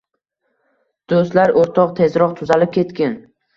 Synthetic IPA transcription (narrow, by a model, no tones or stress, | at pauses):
d̪̥ost̪laɾoɾt̪ʰɒqt̪ʰe̞zɾɒqt̪ʰʊzalɪp̚kʲʰe̞t̪kʲan